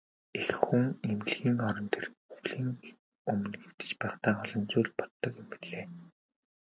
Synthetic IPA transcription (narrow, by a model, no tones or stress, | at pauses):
exxuŋem̆ɮɣiːŋɔɾɞ̆nt̪ʰerɵɣɮiːŋ | ɵmɵ̆nɡĕwt̪ɘ̥̆t͡ɕpæːχt̪aːɔɮɞ̆nt͡suːɮpɔ̥t̪ːɞ̆kjʊmpi̥ɮeː